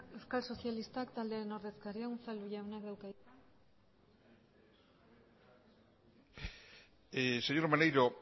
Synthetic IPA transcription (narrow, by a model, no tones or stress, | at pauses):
ewskalso̞sjalist̪akt̪ald̪e̞aɾe̞no̞ɾðe̞skaɾiaunt͡saluʝaonakd̪awka | eseɲoɾmanejɾo